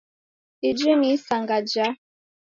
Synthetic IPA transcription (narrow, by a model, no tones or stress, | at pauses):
id͡ʒimisaŋɡad͡ʒa